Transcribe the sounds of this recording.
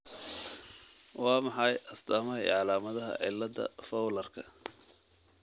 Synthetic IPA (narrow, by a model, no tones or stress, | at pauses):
wɑːmɑħɑjʔɐst̪ʰaːmɐɦɐɛ̰ʕɑlaːmɐðɐɦɐ̰ʕɪ̰lːɐdɐ̰fɐwlɐrkʰɐ